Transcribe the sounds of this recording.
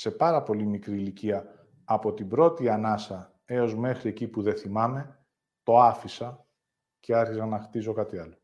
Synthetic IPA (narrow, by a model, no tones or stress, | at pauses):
se̞pɐɾɐpo̞limikɾiːliciɐː | po̞t̪ibɾo̞t̪iɐnɐsɐ | e̞o̞zme̞xɾie̞cipuðe̞θimɐme̞ | t̪o̞ɐfisɐ | ce̞ɐɾçisɐnɐxt̪izo̞kɐt̪iɐlo̞